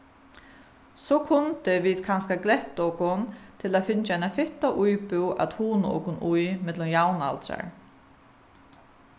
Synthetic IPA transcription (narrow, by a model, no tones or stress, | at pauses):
sɔkʰʊnt̪ɪviːt̪kʰanskaklɛht̪ɔwkʊnt̪ʰɪlaðfɪnt͡ʃaajnafɪht̪aʔujpʏwʔa̰ðhuːnɔ̰wkʊnujmɛt̪lʊmjawna̰lt̪ɾa̰ɹ